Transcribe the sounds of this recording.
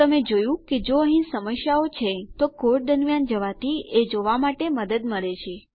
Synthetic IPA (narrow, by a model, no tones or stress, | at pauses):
əmed͡ʒojũked͡ʒoəɦĩsəməʃjaot͡ʃʰet̪okoɾʈ̚d̪əɾmjand͡ʒəʋat̪ied͡ʒoʋamaʈeməd̪əd̪məɾet͡ʃʰe